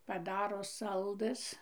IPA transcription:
pɐˈdɑːroː ˈsɐlˠdɘs

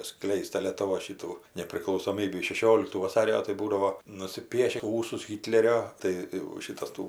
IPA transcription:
ˈsklʲɛɪst tɐ lʲiɛtʊˈʋoːs ˈʃʲɪtuː nʲɛpʲrʲɪklˠɐʊsoːˈmʲiːbʲiː ʃʲɛˈʃʲoːlʲɪktuː ʋɐˈsɑːrʲoː tɐɪ ˈbuːdɐʋoː nʊsʲɪˈpʲiɛʃʲɪ ˈuːsʊs ˈɣʲɪtʲlʲɛrʲoː tɐɪ jɛʊ ˈʃʲɪtɐs ˈtuː

